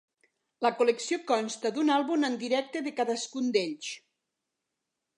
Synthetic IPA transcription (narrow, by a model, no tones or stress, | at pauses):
ləkuleksiokɔnst̪əd̪unalˠβumənd̪iɾɛk̚t̪eðəkaðəskund̪eʎʃ